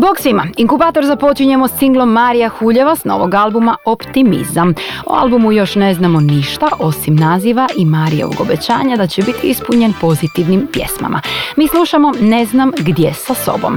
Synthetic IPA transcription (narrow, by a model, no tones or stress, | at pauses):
boksʋimaiŋkubaːt̪o̞ɾzapo̞t͡ɕiɲe̞mo̞sːiŋɡlˠo̞mːaɾijaxuʎeʋasno̞̰ʋoɡalbumaopt̪imḭzamo̰a̰lˠbumujo̞ʃne̞znamo̞niʃt̪aʔo̞simnaːziʋaʔimaɾijo̞̰ʋo̰ɡobet͡ɕa̰ːɲad̪at͡ɕebit̪ʰiispuɲenpo̞zit̪iʋnimpje̞̰sma̰mʔa̰miːslˠuʃamo̞ne̞znamɡd̪jesaso̞̰bo̞̰m